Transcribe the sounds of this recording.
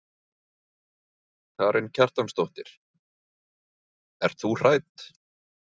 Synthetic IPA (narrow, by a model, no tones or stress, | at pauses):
kʰaːɾʔɪncʰar̥t̪anst̪oht̪ɪɾ̥ | ɛɾ̥t̪θur̥aːjt̪